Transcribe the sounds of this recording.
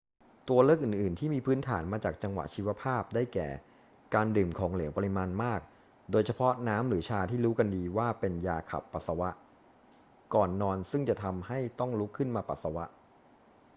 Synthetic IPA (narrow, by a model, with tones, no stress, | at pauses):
t̪u˧ɐlɤː˥˩k̚ʔɯː˨˩nʔɯː˨˩nt̪ʰiː˥˩miː˧pʰɯː˦˥nt̪ʰaː˩˦nmaː˧t͡ɕaː˨˩k̚t͡ɕa˧ŋwa̰˨˩ʔt͡ɕʰiː˧˥wa˧˥pʰaː˥˩p̚daː˥˩jkɛ̰ː˨˩ | kaː˧ndɯː˨˩mkʰɔː˩˦ŋli˨˩˦pa˧li˧maː˧nmaː˥˩k̚ | doː˧jt͡ɕʰa˧pʰɔ˦˥naː˦˥mɾɯː˩˦t͡ɕʰaː˧t̪ʰiː˥˩ɾuː˦˥ka˧ndiː˧waː˥˩pe˧njaː˧kʰa̰˨˩pːa˨˩t̪̚sa˧wa˦˥ʔ | kɔː˨˩nːɔː˧nsɯ˥˩ŋt͡ɕa˨˩t̪ʰa˧mha˥˩jt̪ɔ˥˩ŋlu˦˥kʰːɯ˥˩nmaː˧pa̰˨˩t̪̚sa˧wa˦˥ʔ